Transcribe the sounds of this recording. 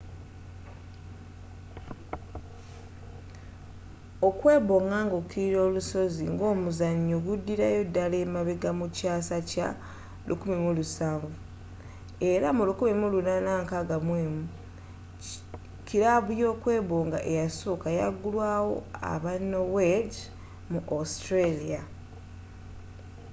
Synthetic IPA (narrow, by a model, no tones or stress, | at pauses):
o̞kwe̞ːβo̞ːŋɡaːŋɡokiɾiɾo̞ːluso̞ziŋɡo̞ːmuzaɲːoɡudːiɾajo̞dːaleːmaβeɡamucaːsaca̰ | lṵkumimulusaːɱvu | e̞ɾamulukumimulunanaːŋkaɡamweːmu | ciɾaβuljo̞ːkwe̞ːβoːŋɡa̰ʔejasoːkajaɡulwaːwo̞̰a̰βanowed | muʔastɾelia